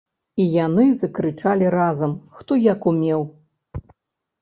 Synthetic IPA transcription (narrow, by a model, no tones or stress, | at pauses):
ijanɨzɐkɾɨt͡ʂalʲiɾazɐmxt̪ɔjakumʲɛw